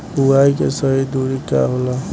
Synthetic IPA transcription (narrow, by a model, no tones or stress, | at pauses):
uaikḛsəɦid̪uɾika̰ɦola